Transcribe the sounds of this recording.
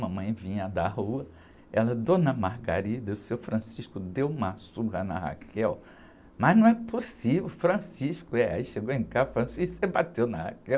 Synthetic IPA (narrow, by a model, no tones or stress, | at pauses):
mɐ̃mɐ̃j̃vĩɲɐd̪aɦuɐ | ɛlɐd̪õnɐmaɾɡa̰ɾid̪ɐʊsewfɾɐ̃siʃkʊd̪ewumɐsuɦɐnɐ̰ha̰kʰɛw | mɐznɐ̃w̃ɛposivewfɾɐ̃siʃkʊɛa̰iʃeɡoẽkafɾɐ̃sisebat̪ewnɐha̰kɛw